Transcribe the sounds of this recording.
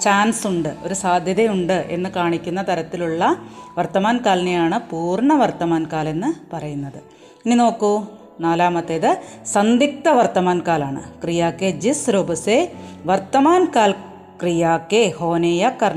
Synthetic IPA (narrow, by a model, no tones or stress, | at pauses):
t͡ɕaːnsuɳɖɨo̞ɾusaːd̪ʱjɐðɐjuɳɖɨʔe̞̰nːɨkaːɳikʲːunːɐt̪ɐɾɐt̪ːiluɭːɐʋɐrt̪ɐmaːnkaːlnejaːɳɨpuːrɳɐʋɐrt̪ɐmaːnkaːle̞nːɨpɐrɐjunːɐðɨ | inino̞ːkːu | naːlaːmɐt̪ːeðɨsɐnd̪ik̚t̪ɐʋɐrt̪ɐmaːnkaːlaːɳɨ̰krijaːkːed͡ʑisɾobɐseʋɐrt̪ːɐmaːnkaːl | krijaːkːeho̞ːneːjɐkːɐrɳ